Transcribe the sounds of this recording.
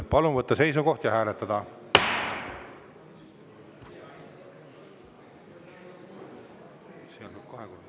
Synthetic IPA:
pɑlunvɤt̪ːɑse̞js̬uko̞ht̪jɑɦæːlet̪ːˑɑd̪̥ɑ | seɑlːukɑheku

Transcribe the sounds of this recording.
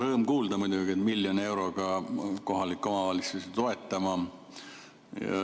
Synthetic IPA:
ɾɤːmkuːld̪ɑmud̪ʲuɡiet̪miljonie̞wɾo̞ɡ̥ɑko̞ɦɑlikːˑo̞mɑvɑlitsuset̪o̞e̞t̪ˑːɑmɑ | jɑ̰

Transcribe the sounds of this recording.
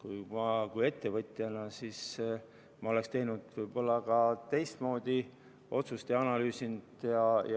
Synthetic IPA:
kujmɑkuje̞t̪ːe̞vɤt̪ʲˑjɑnɑsis | mɑo̞le̞kst̪e̞jnud̪̥vɯjb̥o̞lːɑkɑt̪e̞jst̪mo̞ːd̪̥i | o̞t̪sust̪jɑɑnɑlyːsind̪̥jɑj

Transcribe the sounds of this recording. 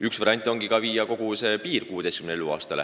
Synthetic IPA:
yksvɑɾɑnʲt̪ʲˑːo̞ŋɡikɑviːjɑko̞ɡ̥use̞ːpiːrkuːed̪ejskymneeluɑ̰ːst̪ɑlḛ

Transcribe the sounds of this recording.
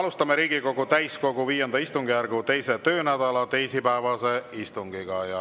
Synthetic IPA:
ɑlust̪ɑmeɾiːɡiko̞ɡ̥ut̪æjsko̞ɡ̥uviːjend̪ɑist̪uŋɡ̥ijærɡ̥ut̪e̞jse̞t̪ø̞ːnæd̪̥ɑlɑt̪e̞jsipæevɑse̞ist̪uŋɡ̥iɡɑjɑ

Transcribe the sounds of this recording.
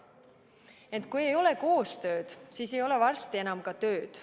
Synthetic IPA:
e̞nt̪kujejo̞le̞ko̞ːst̪ø̞ːd̪̥siːse̞jo̞le̞vɑrst̪ie̞nɑmkɑt̪ø̞ːd̪̥

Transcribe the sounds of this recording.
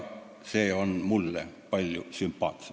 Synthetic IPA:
seːonmulːḛpɑlʲjusympːɑ̰ːt̪se

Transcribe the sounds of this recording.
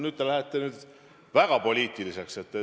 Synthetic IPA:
nyːd̪̥̚t̪e̞læhet̪ːenyːd̪ | væɡ̥ɑpo̞lʲiːt̪ːˑilise̞kse̞t̪ː

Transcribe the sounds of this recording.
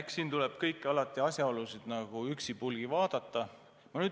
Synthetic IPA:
eksiːnt̪ulɛb̥̚kɤjkːɑlɑt̪ːˑiɑsʲjɑolusid̪̥nɑɡ̥uyksipulɡ̥ivɑːd̪̥ɑt̪ːˑɑ | mɑnyː

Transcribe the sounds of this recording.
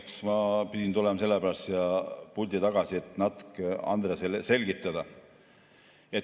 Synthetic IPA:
ksmɑpid̪̥ʲint̪ule̞mɑse̞lːepæɾɑst̪jɑpulʲd̪it̪ɑɡ̥ɑsie̞t̪ːˑnɑt̪kɑ̰nd̪̥ɾeselse̞lɡ̥it̪ˑːɑd̪̥ɑ | et̪

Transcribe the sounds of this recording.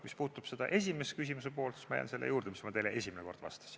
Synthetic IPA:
mispuːt̪ːˑub̥se̞d̪̥ɑ̰ʔe̞s̬ʲime̞skys̬ʲimus̬epo̞ːlt̪si̥smɑjɑ̰nse̞lːejuːrd̪̥emismɑt̪elee̞sʲimeneko̞rd̪̥vɑ̰st̪ɑ̥s

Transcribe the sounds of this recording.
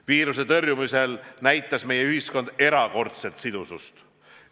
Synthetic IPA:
viːɾuse̞t̪ɤrjumise̞lnæjt̪ːˑɑsme̞jeyɦisko̞nd̪e̞ɾɑko̞rt̪se̞lt̪sid̪̥usṵst̪

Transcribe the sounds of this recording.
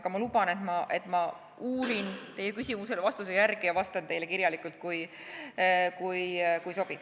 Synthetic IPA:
kɑmɑlubɑne̞t̪mɑʔe̞t̪ˑmɑ | uːɾint̪e̞jekysʲimuse̞lvɑst̪us̬ejærɡ̥ijɑvɑst̪ɑnt̪e̞jle̞kiɾjɑlikˑult̪̚kuj | kujkujso̞bid̪

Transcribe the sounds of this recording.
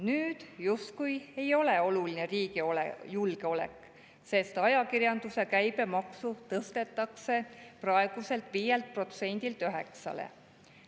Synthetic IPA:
nyːd̪̥just̪kuje̞jo̞le̞o̞lulineriːɡioljulɡ̥eo̞le̞̰kː | se̞st̪ɑjɑkirjɑnd̪̥use̞kæjbe̞mɑksut̪ɤst̪e̞t̪ːˑɑkse̞prɑe̞ɡ̥use̞lt̪ˑviːjelt̪̚pro̞t̪se̞nʲd̪̥ilt̪yɦe̞̰ksɑ̰lḛ

